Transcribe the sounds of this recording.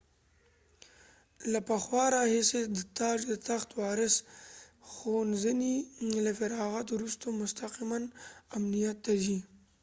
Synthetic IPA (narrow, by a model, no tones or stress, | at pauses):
lapaxwɑɾɑhɪsed̪ət̪ɑd͡ʒd̪ət̪axt̪wɑɾɪs | xonzənilafaɾɑɣat̪wɾust̪omʊst̪aqimanamnijat̪ːaʒi